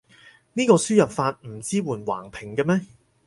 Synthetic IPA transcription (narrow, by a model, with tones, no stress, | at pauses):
niː˥kɔː˧syː˥jɐ˨p̚faː˧t̚m̩˨˩t͡siː˥wuː˨˩nwa̰ː˨˩ŋpʰɪ˨˩ŋkɐ˧mɛː˥